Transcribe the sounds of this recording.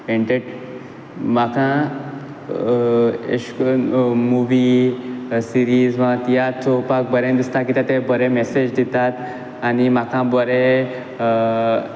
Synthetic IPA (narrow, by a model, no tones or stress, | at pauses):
eɳʈeʈ | makʰã | ḛʂkomuʋi | siɾizʋãt̪ijat͡sʰopak̚bəɾẽd̪ist̪akit̪at̪ebəɾemesed͡ʑd̪it̪at̪ | animakãbəɾe